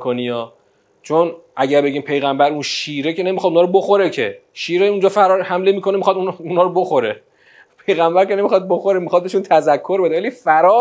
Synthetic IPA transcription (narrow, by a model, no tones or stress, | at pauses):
kʰoniɒː | t͡ʃʰonʔæɟæɾbe̞ɟiːmpʰe̞jɣæmbæɾunʃiːɾe̞cʰe̞ne̞mixɒd̪unɒːɾoboxoɾecʰe̞ʃiːɾeund͡ʒɒːfæɾɒɾhæmlemiːkʰo̞nemixɒd̪ununɒːɾoboxo̞ɾe | pʰejɣæmbæɾce̞ne̞mixɒd̪̚boxoɾemixɒd̪̚beʃunt̪ʰæzækʰːo̞ɾbe̞d̪evælifæɾɒː